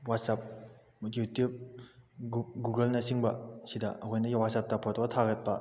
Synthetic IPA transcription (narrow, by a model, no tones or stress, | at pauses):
wat̚sap̚ | jutjup̚ | ɡuɡɐlnɐsiŋbɐsidaɐkʰojnɐjawat̚sap̚tapʰɔtɐt̪ʰaɡɐt̚pɐ